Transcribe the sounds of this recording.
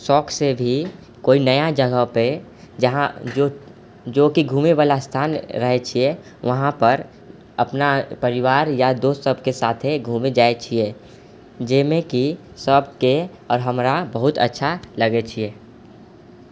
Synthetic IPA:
sɔːkʰsebʱi | koːinəjad͡ʒəɡəɦpe | d͡ʒɦão | d͡ʒoːkiɡʱuːmeʋaːlast̪ʰaːnɾəɦet͡ʃʰie | ʋɐɦãpəɾ | ɐpnapəɾɪʋaːɾjad̪oːt̪səb̚ʱkesaːt̪ʰeɡʱuːmed͡ʒaːet͡ʃʰie | d͡ʒemẽki | səb̚ʱke | ɔːɾɦɐmɾabəɦʊt̪ə̰tːʃʰalɐɡet͡ʃʰieː

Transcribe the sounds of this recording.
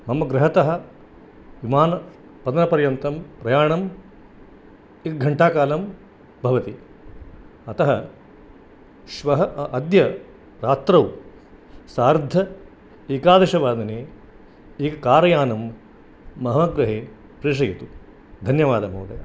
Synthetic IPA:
mɐmɐɡɾɐɦɐt̪ɐɦɐ̆ | ʋimaːnɐ | pɐd̪ɐnɐpɐɾjɐnt̪ɐmpɾɐjaːɳɐm | ikɡʱɐɳʈaːkaːlɐm | bʱɐʋɐt̪i | ɐt̪ɐɦɐ | ʃʋɐɦɐʔɐd̪jɐ | ɾaːt̪ɾɐw | saːɾd̪ʱːɐ | eːkaːd̪ɐʃɐʋaːd̪ɐneː | iːkɐkaːɾɐjaːnɐmː | ɐɦɐɡɾɐɦeː | pɾiːʂ̬ɐjit̪u | d̪ʱɐnjɐʋaːd̪ɐmɐːd̪ɐ̰jɐ̰

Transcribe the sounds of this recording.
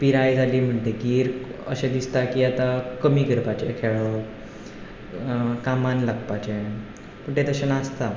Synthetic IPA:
piɾajd͡zʱalim̤əɖʱeɡiːɾə̰ɕẽd̪ist̪akiat̪akəmiːɡəɾpat͡ɕekʰeɭə | kamanlaɡpat͡ɕe | pəɳʈet̪əɕənast̪a

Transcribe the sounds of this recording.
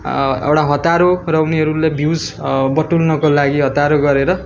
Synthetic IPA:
ḛwʈaɦʌt̪aɾorʌuniɦʌɾulebʱid͡zbʌʈulnʌkolaɡiɦʌt̪aɾoɡʌɾeɾʌ

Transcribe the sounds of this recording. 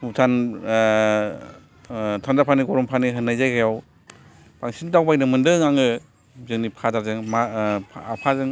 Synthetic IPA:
utʰan | tʰandapʰaniɡɔɾɔmpʰaniɦɯnːajzajkʰajaw | paŋsintawbajnɯmɯndɯŋaŋɯ | zɯŋnipʰazaɾzɯŋmaapʰazɯŋ

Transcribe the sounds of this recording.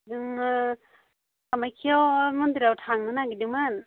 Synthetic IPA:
dɯŋ | amajkʰiawmund̪iɾawtʰaŋnɯnaɡidiŋman

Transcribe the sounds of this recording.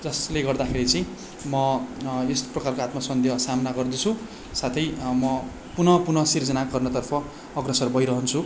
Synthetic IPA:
d͡zʌsleɡʌrd̪akʰeɾit͡sʌĩ | mʌesprʌkarkoat̪masʌnd̪ʱjʌsamnaɡʌrd̪it͡sʰu | sat̪ʰʌjmʌ | punʌpunʌsird͡zʌnaɡʌrnʌt̪ʌrpʰʌː | ɡrʌsʌrbʱʌjɾʌɦʌnt͡sʰu

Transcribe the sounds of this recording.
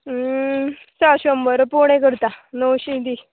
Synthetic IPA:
saɕombəɾpoɳ̃ẽkəɾt̪anowɕid̪i

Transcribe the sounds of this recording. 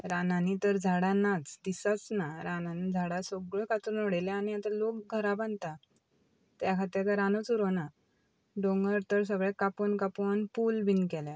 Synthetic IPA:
ɾananit̪əɾd͡zʱaɽanat͡sd̪isat͡snaɾananid͡zʱaɽasoɡɭəkat̪uɾnoɽeljaañiat̪alokɡʱəɾabant̪a | t̪jakʰat̪eɾkaɾanot͡suɾona | ɖõŋɡəɾt̪əɾs̬əɡɭɛ̃kaponkaponpulbʱinkɛla

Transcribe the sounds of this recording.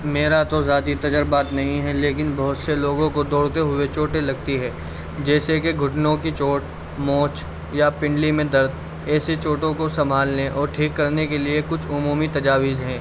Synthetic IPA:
meːɾat̪ozaːt̪it̪ɐd͡ʒəɾbaːt̪nɐɦĩɦɛleːkɪnbɐɦʊt̪seloːɡõkod̪ɔːɽt̪eɦʊet͡ʃoːʈelɐɡt̪iɦɛː | d͡ʒɛːsekeɡʱʊʈnõkit͡ʃoːʈ | moːt͡ʃ | japɪ̃ɳɖlimẽd̪ɐɾd̪ | ɛːset͡ʃoːʈõkosɐmbʱaːlneʔɔːɾʈʰiːkːɐɾnekeliekʊt͡ʃʰʊmuːmit̪ɐd͡ʒaːʋɪzɦɛ̃ː

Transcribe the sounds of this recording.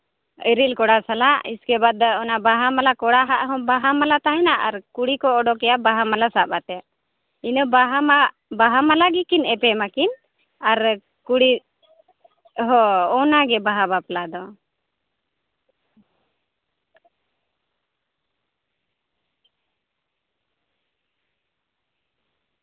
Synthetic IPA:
əɾilkɔɽasalaʔiskɛbad̪ɔnabaɦamalakɔɽaɦaʔɦɔ̃baɦamalat̪aɦɛnaʔaɾkuɽikɔːɖɔkɛjaʔbaɦamalasabat̪ɛaʔ | inəbaɦamaʔ | baɦamalaɡikinɛpɛmakin | aɾ | kuɽi | ɦɔ̃ɔnaɡɛbaɦabaplad̪ɔ

